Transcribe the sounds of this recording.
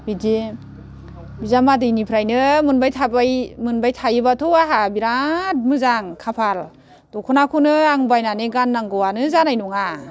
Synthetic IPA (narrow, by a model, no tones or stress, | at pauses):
bidi | bizamadɯjnipʰɾajnɯmɯnbajtʰabajmɯnbajtʰajɯbatʰuaɦabiɾat̚mɯzaŋkʰapʰal | d̥ɔkʰunakʰunɯaŋbajnaneɡanːaŋɡɯwanɯzanajnuŋa